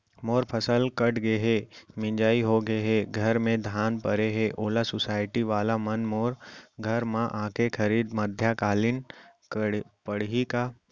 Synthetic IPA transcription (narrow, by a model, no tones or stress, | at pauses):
moːɾpʰəsəlkəʈɡeɦemɪ̃ɲd͡ʒaːiɦoɡeɦeɡʱɐɾmẽd̪ʱaːnpəɾeɦeʔoːlasʊsaːɪʈiʋaːlamənmoːɾɡʱəɾmãʔãːkʰekʰəɾiːd̪məd̪ʱjakaːlɪn | pəɽɦika